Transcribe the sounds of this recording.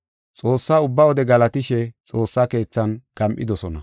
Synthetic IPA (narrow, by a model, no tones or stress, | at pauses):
t͡sʼo̞ːsːaːʊbːɐwɔd̪ɛɡɐlɐt̪ɪʃɛt͡sʼo̞ːsːaːke̞ːt͡sːɐnɡ̥ɐmʔʼɪd̪ɔsɔnɐ